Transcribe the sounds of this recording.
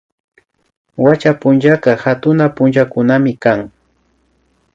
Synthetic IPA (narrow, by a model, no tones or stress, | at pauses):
wat͡ʃapʊnt͡ʃakɑhat̪ʊnapʊnt͡ʃakʊnamɪkaŋ